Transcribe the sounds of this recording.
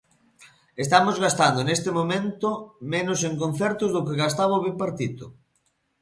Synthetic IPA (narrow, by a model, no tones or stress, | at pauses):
est̪amozɣast̪and̪onest̪ɪmomẽnt̪omenoseŋkõn̟θɛɾt̪ʊzðokeɣast̪aβaoβipaɾt̪it̪o